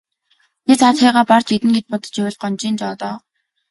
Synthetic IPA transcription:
t̪et͡sʰat̪χæːʁaːpar̥t͡ɕit̪ɘ̆ŋɡet͡ɕpɔt̪ɞ̥̆t͡ɕjawʲɪ̆ɮɢɔnt͡ɕiːnt͡ɕɔːt̪ɔː

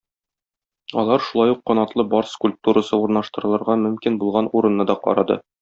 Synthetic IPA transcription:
ɒ̰lˠɑɾʃulˠɑjuqːɒnɑt̪lˠɤbɒɾskulʲp̚t̪uɾɤsɤuɾnɑʃt̪ɤ̆ɾɤ̆lˠɤ̆ɾʁɑmɵ̆mkinbulˠʁɑnuɾɤ̆nːɤd̪ɒqɒ̰ɾɑd̪ɤ̰

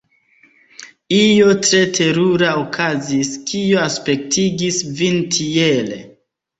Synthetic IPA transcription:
ijo̞tɾe̞tʰe̞ɾuɾaokʰaziskioaspe̞k̚tʰiɡisvintʰielḛ

